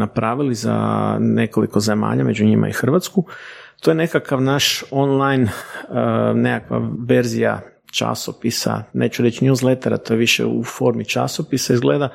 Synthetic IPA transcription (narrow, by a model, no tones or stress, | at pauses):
napɾaːʋiliza̰ne̞koliko̞ze̞ma̰ːʎame̞d͡ʒuɲima̰ixr̩ʋat̪skut̪ojene̞kakaʋnaʃo̞nlˠajn | nekakʋa̰ʋe̞ɾzija̰ | t͡ʃa̰sopisa̰ne̞̰ːt͡ʃuɾet͡ɕnijuzlet̪eɾat̪o̞jeʋiʃḛufo̞ɾmit͡ʃa̰sopisaizɡle̞ːd̪a